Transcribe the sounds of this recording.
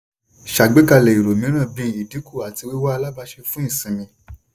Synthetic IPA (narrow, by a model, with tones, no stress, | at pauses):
ʃa˨ɡ͡be˦ka˧lɛ˨i˨ɾo˨mĩ˦ɾ̃ã˦˨bĩ˧˦i˨di˨˦ku˦˨a˨ti˧wi˦wa˦˧la˦ba˧ʃe˧fũ˦ĩ˦˨sĩ˨mĩ˧